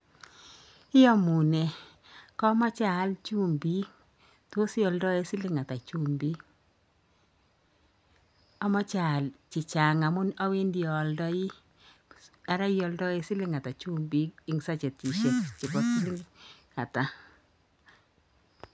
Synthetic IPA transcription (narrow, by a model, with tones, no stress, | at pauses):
ɪ˦ɔ˦mu˨ne˨ | kɔ˦mɔ˦t͡ʃa˦˨˦lt͡ʃu˦˨mbi˦ | to˦sɪ˦ɔ˨ldɔ˦e˦sɪ˦lɪ˦ŋa˨ta˨t͡ʃu˦mbi˦ | a˨˦mɔ˦t͡ʃa˨lt͡ʃɪ˨t͡ʃa˨ŋa˨mʊ˦na˦we˦ndi˨ɔ˨ldɔ˦ɪ˦ | a˨ɾa˦jɔ˨ldɔ˦ɪ˦sɪ˦lɪ˦ŋa˨ta˨t͡ʃu˦mbi˦kɪ˨˦ŋsa˦t͡ʃe˨t̚t͡ʃi˨ʃe˨tt͡ʃɪ˨kɔ˨si˦lɪ˦ŋ | a˨ta˨